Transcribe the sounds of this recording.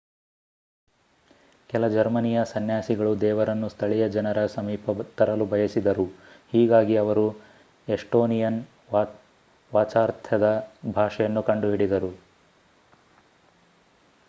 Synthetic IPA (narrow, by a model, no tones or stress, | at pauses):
kɛlɐd͡ʒɐɾmɐnijɐsɐnjaːsiɡɐɭud̪ɛːʋɐɾɐnːust̪ʰɐɭijɐd͡ʒɐnɐɾɐsɐmiːpɐt̪ɐɾɐlubʱɐjɐsid̪ɐɾuhiːɡaːɡiɐʋɐɾu | eʂʈoːnijɐn | ʋ | ʋaːt͡ʃaːɾt̪ʰɐd̪ɐbʱaːʂɐjɐnːukɐɳɖuɦiɽid̪ɐɾu